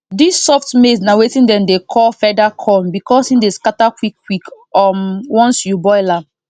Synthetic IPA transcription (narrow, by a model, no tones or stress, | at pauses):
disːɔftmesnawetĩndɛ̃mdekʰɔlfɛdakʰɔ̃nbikɔsĩndeskatakwikːwik | ɔmwɔ̃nsjubɔɪla